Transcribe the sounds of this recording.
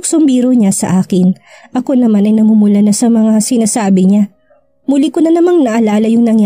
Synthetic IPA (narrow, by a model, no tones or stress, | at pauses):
ksʊmbiːɾoɲasɐ̰ʔaːkɪnʔɐko̞nɐmanɐjnɐmumulanɐsɐmɐŋasɪnaːsaːbɪɲa | mulikʊnɐnɐmaŋnɐʔɐlaːlɐjʊŋnɐŋja